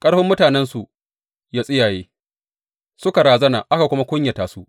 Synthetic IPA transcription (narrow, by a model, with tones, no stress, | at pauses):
kʼɐ˦ɽɸɪ˦mːʊ˦taː˨nɛ˦nsu˨ | jaː˦sʼɪ˦jaː˨jeː˦ | sʊ˦ka˨ɾaː˨zɐ˦naː˨ʔa˦ka˨kʷʊ˦ma˦kʷʊ˦ɲja˨taː˨su˦ʔ